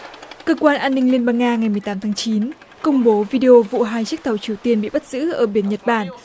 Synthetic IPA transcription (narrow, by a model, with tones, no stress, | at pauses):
kəː˧kwaː˧nʔaː˧nːï˧ŋ̟li˧ənɓaː˧ŋːaː˧ŋa˨˩jmɨ˨˩jt̪aː˨˦mt̪ʰaː˨˦ŋt͡ɕi˨˦n | kə˧wŋ͡mɓo˨˦vi˧ɗe˧ʔo˧vṵ˧˨ɦaː˧jt͡ɕi˦˥k̚t̪ʰwt͡ɕi˨˩əwt̪i˧ənɓḭ˧˨ɓa˦˥t̚z̥ɨ̰˧˥ʔəː˧˩ɓi˨˦ənɲə˨˩t̚ɓaː˧˩n